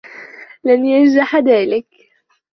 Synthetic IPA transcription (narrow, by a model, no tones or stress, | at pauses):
lanjand͡ʒaħðaːlɪk